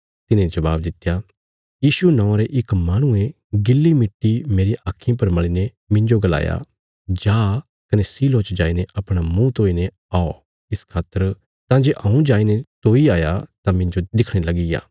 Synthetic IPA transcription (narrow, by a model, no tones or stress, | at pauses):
t̪ɪnẽd͡ʒɐbaːbd̪ɪt̪ːja | jiːʃunɔ̃ːaɾeʔɪkmaːɽ̃ʊ̃ẽ | ɡɪlːimɪʈːimeːɾiʔaːkʰːɪjãp̬ɐɾmɐɭine | mɪ̃ɲd͡ʒoɡɐla̰ːja̰ | d͡ʒaː | kɐnesiːloːt͡ʃd͡ʒaːineʔɐpɽ̃amũt̪oːine | aːo | ɪskʰaːt̪ːəɾ | t̪ãd͡ʒeːʔɐũd͡ʒaːinet̪oːiaːjat̪ãmɪ̃ɲd͡ʒod̪ɪkʰɽ̃elɐɡija̰ː